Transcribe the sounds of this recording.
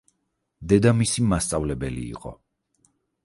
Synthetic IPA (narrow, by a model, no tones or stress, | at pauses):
d̪ɛd̪amisimast̪sʼavlɛbɛlḭːqʼɔ̰